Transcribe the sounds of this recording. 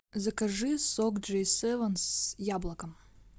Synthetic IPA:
zɐkɐʐɪsɔkd͡ʒɛjsɛʋɐnsjablˠɐkɐm

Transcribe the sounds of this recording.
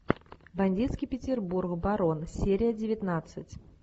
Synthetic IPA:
bɐnʲdʲit̪skʲijpʲɪtʲɪrburkbaɾo̞nsʲeɾʲɪjədʲɪvʲɪt̪nat̪sɨtʲ

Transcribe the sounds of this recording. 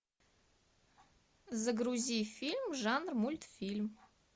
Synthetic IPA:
zəɡruzʲijfʲilʲmʐanrmulʲt̪fʲilʲm

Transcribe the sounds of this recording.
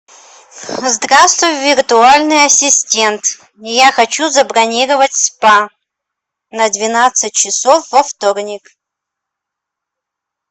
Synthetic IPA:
zd̪rast̪vʊjvʲɪrt̪ʊalʲnɨjɐsʲɪsʲtʲent̪ | jaxɐt͡ɕuzɐbɾɐnʲiɾəvətʲspa | nɐd̪vʲɪnat̪sɨt̚ʲt͡ɕɪsofvɐft̪ornʲɪk

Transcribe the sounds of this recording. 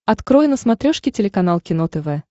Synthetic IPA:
ɐt̪kɾojɪnəsmɐt̪ɾʲoʂkʲɪtʲɪlʲɪkɐnalˠkʲɪnot̪ɛvɛ

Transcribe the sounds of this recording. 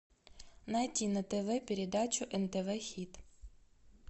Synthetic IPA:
nɐjtʲinɐt̪eʋɛpʲeɾʲed̪ɑt͡ʃʊʔɛnt̪eʋɛxʲit̪

